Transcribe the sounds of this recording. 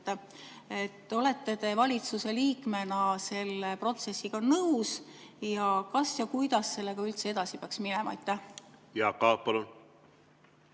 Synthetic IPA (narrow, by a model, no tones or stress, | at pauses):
e̞t̪ːˑo̞le̞t̪ːet̪e̞vɑlʲit̪suse̞liːkme̞nɑse̞lːepro̞t̪se̞sːiɡ̥ɑnɤws | jɑkɑsjɑkujd̪̥ɑsːe̞lːe̞ɡ̥ɑylt̪see̞d̪̥ɑsipeɑksminɛmɑɑjt̪ːˑæhjɑkɑːpɑlun